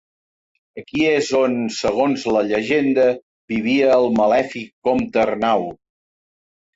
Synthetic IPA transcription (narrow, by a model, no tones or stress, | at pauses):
əkiezonsəɣ̞onzləʎəʒend̪ə | βiβiəːlˠməlɛfikːɔmt̪ərnaw